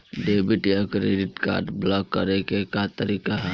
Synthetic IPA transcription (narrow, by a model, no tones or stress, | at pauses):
ɖeːbiʈjakɾeɖɪʈka̰ːɾʈblɔkːəɾekekat̪əɾiːkaɦɛ